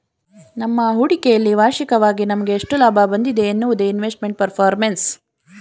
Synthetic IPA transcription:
nɐmːɐɦuɽikejɐlːiʋaːʃikɐʋaːɡinɐmɐɡe̞ːʂʈulaːbʱabɐnd̪id̪e̞ːnːuʋud̪einʋeːsʈ̚me̞ɳʈ̚pɐɾpʰaːɾmens

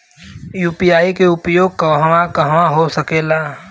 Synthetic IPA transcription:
juːpijaːikeʊpjoːɡ̚kɐɦʋakəɦʋaɦosəkeːlaː

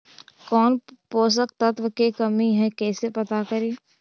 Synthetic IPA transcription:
kɔːnpoːs̬ək̚t̪at̪ʋəkekəmiɦɛkɛːsepət̪akəɾeː

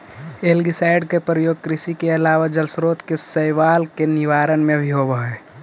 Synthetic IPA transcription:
eːlɡisaːɪɖkepɾəjoːɡ̚kɾɪsikeɐlaːʋad͡ʒəlsɾoːt̪kesəjʋaːlkenɪʋaːɾənmẽbʱiɦobəɦe

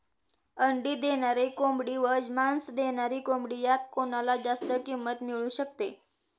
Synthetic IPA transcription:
əɳɖiːd̪eɳ̃aɾekomɽiːʋəd͡ʑmansd̪eɳ̃aɾikombɽiːjat̪koɳ̃alad͡ʑast̪əkimːət̪miɭuːɕək̚t̪e

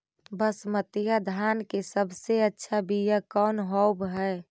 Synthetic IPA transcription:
bəsmət̪jad̪ʱaːnkesəbseətːʃʰabʱijakɔːnɦɔbɦɛː

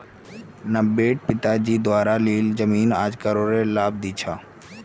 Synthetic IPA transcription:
nəbeːʈ̚pɪt̪aːd͡ʒiːd̪ʊaːɾaliːld͡ʒəmiːnaːd͡ʒkəɾoːɾelaːb̚d̪it͡ʃʰaː

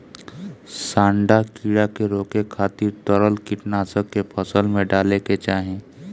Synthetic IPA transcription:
sãːɳɖakiːɽakeɾoːkekʰaːt̪iɾt̪əɾəlkɪʈnaːsəkːepʰəsəlmẽɖaːleket͡ʃaːɦẽː

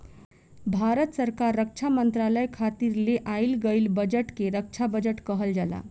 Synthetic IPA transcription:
bʱaɾət̪səɾkaɾːək̚t͡ʃʰamənt̪ɾaləjkʰat̪iɾleʔajlɡəjlbəd͡ʒəʈkeɾək̚t͡ʃʰabəd͡ʒəʈkəɦəld͡ʒala̰

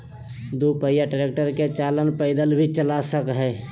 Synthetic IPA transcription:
d̪upəjaʈɾek̚ʈəɾket͡ʃalənpəɪd̪əlbʱit͡ʃəlasəkɦɛː

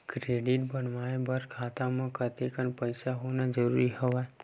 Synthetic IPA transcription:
kɾeːɖɪʈbənʋaːebəɾkʰaːt̪amãkət̪ekənpəɪsaɦoːnad͡ʒəɾuːɾiɦəʋa

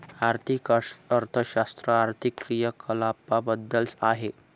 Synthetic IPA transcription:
aɾt̪ʰikəɾt̪ʰəɕast̪ɾəaɾt̪ʰikːɾijəkʰəlapabəd̪ːəlsaɦe

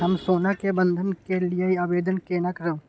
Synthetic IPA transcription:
ɦɐmsoːnakebə̃nd̪ʱənkelieiaːbeːd̪ənkeːnakəɾeo

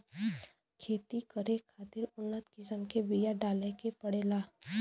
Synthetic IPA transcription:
kʰeːt̪ikəɾekʰaːt̪ɪɾʊnːət̪kɪsəmkebijaɖaːlekepəɽeːlaː

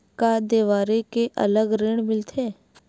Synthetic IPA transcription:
kad̪eːʋaːɾekeʔə̰ləɡɾeːɽ̃mɪlt̪ʰeː

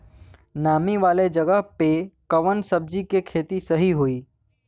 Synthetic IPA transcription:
naːmiʋaːled͡ʒɐɡəɦpekɐʋənsɐb̚d͡ʒikekʰeːt̪isɐɦiɦoiː

